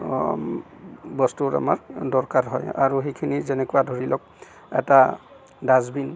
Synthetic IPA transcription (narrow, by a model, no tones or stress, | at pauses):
bɔstuɹa̰ma̰ɹdɔɹkaɹɦɔja̰ɹuɦekʰinizɛnɛkuadʱoɹilɔk̚ | ɛ̰ta | dazbin